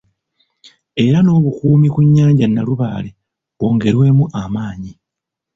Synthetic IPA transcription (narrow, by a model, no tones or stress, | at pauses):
e̞ɾano̞ːβukuːmikuɲːaːɲɟanːaluβaːle | o̞ːŋɡe̞ɾwe̞ːmuʔamaːɲi